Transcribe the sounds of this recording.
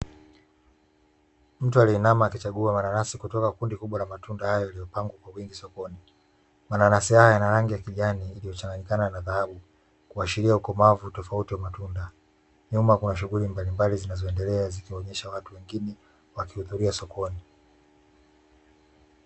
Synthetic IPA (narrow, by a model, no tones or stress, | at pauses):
m̩tualiɛnamaːkit͡ʃaɠuamananasikutɔkakundikuɓwalamatundahajɔjalijɔpaŋɡwakwawiŋɡisɔkɔni | mananasihajɔjanaɾaŋɡijakiʄaniːlijɔt͡ʃaŋɡanikananaðahaɓu | kuaʃiɾiaukɔmavutɔfautiwamatunda | ɲumakunaʃ̬uɣulimbalimbalizinazɔɛndɛlɛazikiɔɲɛʃawatuwɛŋɡinɛ | wakihuðuɾiasɔkʰɔni